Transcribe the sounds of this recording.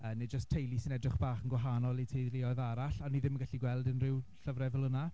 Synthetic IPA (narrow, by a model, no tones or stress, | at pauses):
əned͡ʒəstʰːejlˠisinɛdrɪχb̥aːχənɡwaɦanɔlˠitʰejðlɪɔjðaɾaɬaniðɪməɡaɬiɡwɛlˠdənrɪwɬəvrɛvəlˠʊna